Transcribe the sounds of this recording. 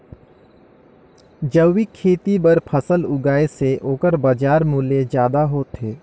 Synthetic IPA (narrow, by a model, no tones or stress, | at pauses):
d͡ʒəːikʰeːt̪ibəɾpʰəsəlʊɡaːeseʔoːkəɾbəd͡ʒaːɾmʊled͡ʒjaːd̪aɦoːt̪ɦeː